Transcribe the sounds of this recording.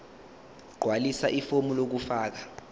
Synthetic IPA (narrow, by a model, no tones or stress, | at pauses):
ɡ͡ǃʱwalisaʔifomulok̬ufaːk̬a